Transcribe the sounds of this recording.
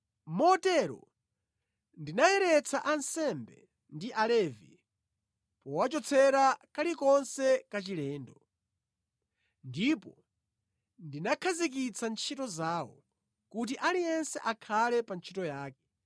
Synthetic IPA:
mɔtɛɾɔ̰ | ndinajɛɾɛt͡sʰaʔansɛmbɛ̰ | ndiʔalɛvḭ | pɔwat͡ʃɔt͡sʰɛɾakalikɔnsɛkat͡ʃilɛːndɔ | ndipɔ | ndinakʰazik̬it͡sʰant͡ʃʰitɔzaːwɔ̰ | kut̬iʔalijɛnsɛʔakʰalɛpant͡ʃʰitɔjaːkɛ̥

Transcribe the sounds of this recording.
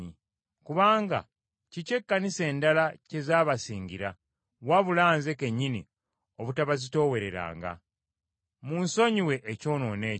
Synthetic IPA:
i | kuβaːŋɡa̰ | cice̞kːanise̞ːndalace̞zaːβasiːŋɡiɾa | waβulaːnzeke̞ɲːinḭ | o̞βutaβazito̞ːwe̞ɾe̞ɾa̰ːŋɡa̰ | munso̞ɲiwe̞ʔːco̞ːno̞ːne̞ː

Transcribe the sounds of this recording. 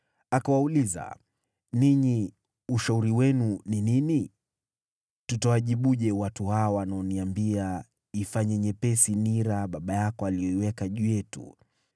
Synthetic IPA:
akawauliza̰ | niɲi | uʃauɾiwɛnuninini | tutawaʄiɓuʄɛwatuhaɔwanaɔniambia | ifaɲɛɲɛpɛsiniɾaɓaɓajakɔalijɔiwɛkaʄujɛtṵ

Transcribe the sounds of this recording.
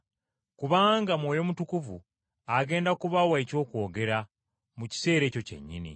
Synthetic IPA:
kuβaːŋɡamwoːjo̞mutukuvu | aɡe̞ːndakuβawaico̞ːkwo̞ːɡe̞ɾa | muci̥se̞ːɾe̞ːco̞ce̞̰ɲːḭnḭ

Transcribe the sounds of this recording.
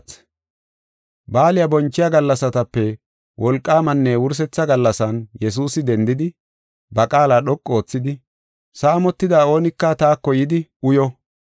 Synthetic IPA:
baːlɪjabɔnt͡ʃːɪjaɡɐlːɐsɐt̪ɐpːɛ | wʔɔlkʼːaːmɐnːɛwʊɾs̬ɛt͡sːɐɡɐlːɐsɐnjɛs̬uːsɪd̪ɛnd̪ɪd̪ɪ | bɐkʼaːlaːɗɔkʼːo̞ːt͡sːɪd̪ɪ | saːmɔt̪ːɪd̪aːo̞ːnɪkːɐt̪aːkːɔjɪd̪ɪʊjɔ

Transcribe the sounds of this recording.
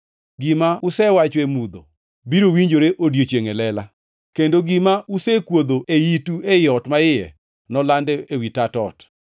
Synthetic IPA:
ɡɪmaʊsɛwat͡ʃemud̪o̰ | biɾowiɲd͡ʒoɾeʔodjot͡ʃjeŋelɛla | kendoɡɪmausɛkwod̪oʔejituejɔtmaɪjɛ̰ | nɔlandɛewitatɔ̰t

